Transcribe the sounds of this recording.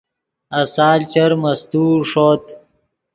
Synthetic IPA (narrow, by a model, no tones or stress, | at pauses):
ɐsaːlt͡ɕɐɾmɐst̪uːʂoːt̪